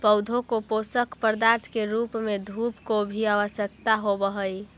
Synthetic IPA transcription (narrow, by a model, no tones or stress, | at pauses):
pəwd̪ʱokoposəkpəɾd̪aɾt̪ʰkeɾupmed̪ʱupkobʱiaʋəsjəkt̪aɦobəɦəj